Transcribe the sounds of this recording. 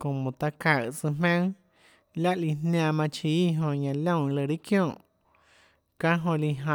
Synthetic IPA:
ko˨mõ˨t̪a˧ka˨t͡sɨ˧mmẽ˦ŋ | la˦ʔli˧nnjã˧mã˧t͡ʃiː˨˦ɦõ˧ɲã˧lõ˦˨lə˧˨ɾi˦kjõː˦˨ʔ | ka˦ɦõ˧li˧ɦã˧˨

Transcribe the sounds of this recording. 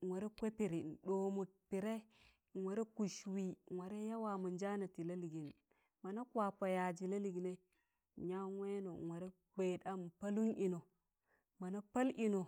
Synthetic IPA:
wa˨ɾe˦kʷe˦pi˨ɾi˨n˨ɗo˨mu˨t̚pi˨ɾe˦˨ | we˨ɾe˦ku˨ʃwi˨wa˨ɾe˦ja˦wa˨mu˨nd͡ʒa˦na˨ti˨la˦li˨ɡi˨n | ma˨na˦kwa˨pa˨ja˨d͡ʒi˨la˦li˨ɡi˨ne˦˨ | ɲa˦we˦no˨we˨ɾe˦ | be˨da˦m˨pa˦lu˦ni˨no˨ | ma˨na˦pa˦lʔi˨no˨

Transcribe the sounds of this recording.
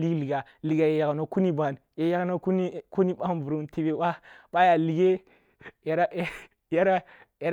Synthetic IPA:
li˦ɡli˨ɡa˨ | li˨ɡa˨je˨ja˨ɡno˨ku˦ni˦ba˨nje˨ja˦no˦ku˦ni˦ku˦ni˦ɓa˦mbu˨ɾu˦nti˨be˨ba˦ɓa˦ja˨li˨ɡe˦ | jɾa˦ | ja˦ɾa˦ | ja˨ɾ

